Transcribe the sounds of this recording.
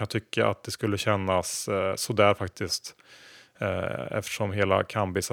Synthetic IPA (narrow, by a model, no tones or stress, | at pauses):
t̪ʰʏkʰːaʔa̰t̪̚d̪ɛskɵlːəɕɛnːasːɔd̪æːɾfak̚t̪ɪst̪ | ɛ̰ft̪ə̥ʂɔmɦeːla̰kʰambɪs